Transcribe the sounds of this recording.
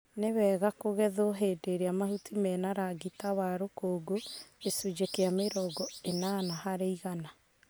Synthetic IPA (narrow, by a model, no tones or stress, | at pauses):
newɛːɣakoɣɛðoɦeːdeɾeamaɦutimɛnaɾaɡitawaɾokoːɡoesud͡ʒekeameɾɔːɡɔenanaɦaɾeiɣana